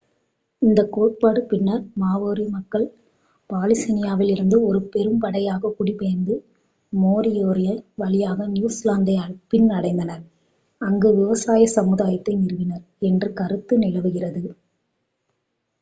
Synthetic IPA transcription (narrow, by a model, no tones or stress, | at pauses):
ɪnd̪ɐkːoːʈ̚paːɽɯpɪnːɐɾmaːʋoːɾimɐkːɐɭ | paːlɪsɐnɪjaːʋɪlɪɾɯnd̪ɯɔɾɯpɛɾɯmpɐɽɐjaːɣɐkʊɽipɐjɐnd̪ɯ | moːɾɪjoːɾɪjɐʋɐlɪjaːɣɐnjuːslaːnd̪ɐjaːɭpɪnnɐɽɐɪnd̪ɐnɐɾ | ɐŋɡɯʋɪʋɐsaːjɐsɐmɯðaːjɐt̪ːɐɪnɪɾɯʋɪnɐɾ | ɛndrɯkɐɾɯt̪ːɯnɪɭɐʋɯɣɪrɐðɯ